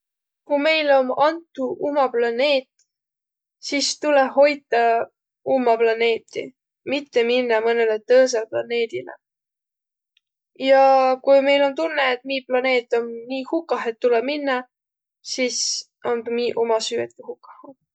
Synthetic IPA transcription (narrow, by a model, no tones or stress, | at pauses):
kume̞jlo̞mɑnt̪ːˑuumɑplɑne̞ːt̪ | sist̪uleɦo̞jt̪ːˑɑ | umːɑplɑne̞ːt̪ːˑḭ | mit̪ːe̞minːɑmɤne̞let̪ɤːs̬elplɑ̰ne̞ːd̪̥ilḛ | jɑkujme̞jlo̞nt̪unːeːt̪̚ˑmiːplɑne̞ːt̪ːˑo̞nniːhukːˑɑɦe̞t̪ːule̥minːɑ | sis | onmiːʔomɑsyːet̪̚kihukːˑɑ̥hu